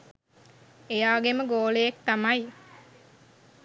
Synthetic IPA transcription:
ejaːɡeməɡoːlejekt̪amaj

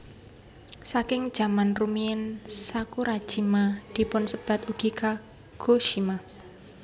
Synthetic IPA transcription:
sakɪŋd̥ʒ̥a̤manrumiɛnsakuɾḁʒ̥imad̪̥i̤pʊnsəb̥a̤t̪uɡ̥ika | ɡ̥oʃima

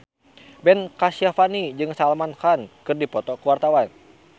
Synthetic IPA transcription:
bɛnkasiafanid͡ʒɨŋsalmanhankɨrdipɔt̪ɔkəwart̪awan

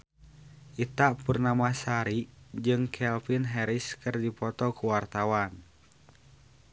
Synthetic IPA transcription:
ʔit̪aʔpurnamasaɾid͡ʒɨŋkʰɛlfinɦɛɾiskɨrdipɔt̪ɔkuwart̪awan

